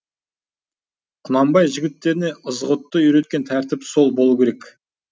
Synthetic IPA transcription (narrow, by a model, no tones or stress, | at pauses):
qʰʊnɑmbɑjʒɪɡʲɪt̪ːe̞ɾɪne̞ʔəzʁʊt̪ːəiɾe̞t̪̚kʲe̞nt̪ʰæɾt̪ɪpso̞lˠbo̞lˠuwkʲʰe̞ɾekʲ